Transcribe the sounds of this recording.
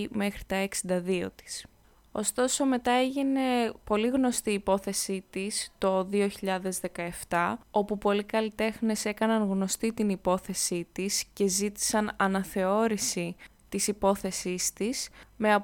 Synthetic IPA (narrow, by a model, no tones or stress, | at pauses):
ime̞xɾi̥t̪ɐeksind̪ɐðio̞̰t̪i̥s | o̞̰st̪o̞so̞me̞t̪ɐe̞ʝine̞po̞liɣno̞st̪iːpo̞θe̞sit̪ist̪o̞ðio̞çiʎɐðe̞zðe̞kɐe̞ft̪ɐo̞pupo̞likɐlit̪e̞xne̞se̞kɐnɐnɣno̞st̪it̪inipo̞θe̞sit̪isce̞zit̪i̥sɐnɐnɐθe̞o̞ɾisi | t̪isipo̞θe̞sist̪isme̞ɐ